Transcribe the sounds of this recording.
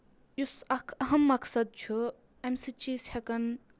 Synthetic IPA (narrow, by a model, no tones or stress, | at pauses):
jusɐkʰɐɦɐmːɐksɐd̪̚t͡ʃʰu | emsit͡ʃiːshɐkɐn